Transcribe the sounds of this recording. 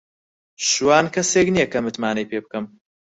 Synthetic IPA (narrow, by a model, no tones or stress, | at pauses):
ʃwaːnkʰɐseːknijɛkɐmɨt̪maːnɐjpeːb̚kɐm